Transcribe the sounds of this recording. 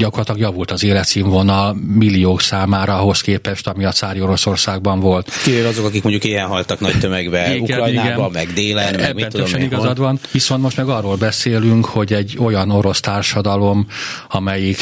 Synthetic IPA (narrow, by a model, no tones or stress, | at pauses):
ɟɒkorɒt̪lɒɡjɒvult̪ɒzeːlɛt̪siɱvo̞nɒlmilːioːksaːmaːɾɒɦo̞skeːpɛʃt̪ɒmiɒt̪saːɾio̞ɾo̞so̞rsaːɡ̚bɒɱvo̞lt̪kivevɒzo̞kɒkikmoɲɟukeːɛnɦɒlt̪ɒknɒ̰ct̪ømɛɡbɛiuɡkɛɾɔjniaɡɛnbmɛɡd̪eːlɛɛɛnøt͡ʃøniɡɒzɒd̪ʋɒnʋiso̞nt̪mo̞ʃt̪mɛɡɒrːoːlbɛseːlyŋkho̞ɟɛɟːo̞jɒno̞ɾo̞st̪aːrʃɒd̪ɒlo̞mɒmɛjik